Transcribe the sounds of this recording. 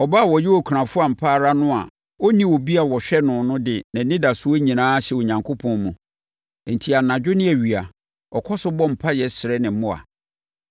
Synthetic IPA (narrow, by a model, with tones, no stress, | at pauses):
ɔ˨ba˦˨wɔ˨jɪ˦wɔ˨kʰu˨ɾã˨fʊ˦a˨m̩˨pʰaː˦˨ɾa˦nʊ̃˦a̰˨ | ɔ˦nĩ˦˨wo˨bi˦a˨wɔ˨ɕᶣɛ˦nʊ̃˨nʊ̃˦dɪ˨nã˨˦nɪ̃˦da˨sʊ˦ɔ˦ɲĩ˨nãː˦ɕɛ˨o˨ɲã˨ŋkʰo˦pʰɔ̃˦nmũ˨ | n̩˨tʰi˨a˨nã˨d͡ʑᶣʊ˦nɪ̃˦æ˨ɥi˨a˨ | ɔ˨kʰɔ˦sʊ˦bɔ˦m̩˨pʰa˦jɛ˨sɪ˨ɾɛ˦nɪ̃˨m˦mʊ̃˦a̰˨